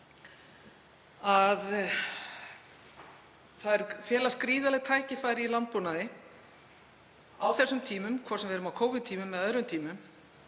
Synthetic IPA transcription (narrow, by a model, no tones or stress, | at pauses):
að | θaðɛɾfjɛːlaskɾiːðalɛɣt̪ʰaːjcɪfaːjɾɪilant̪̚punaðɪ | awθɛsːʏmt̪ʰiːmʏmkʰvɔːsɛmvɛɾʏmawkʰoːwvʏnt̪ʰiːmʏmːɛðœðɾʏmt̪ʰiːmʏm